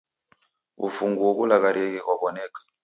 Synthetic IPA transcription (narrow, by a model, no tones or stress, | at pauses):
ṵfuŋɡuwɔkulaɣaɾʔɛkɛkwaβɔnɛkḁ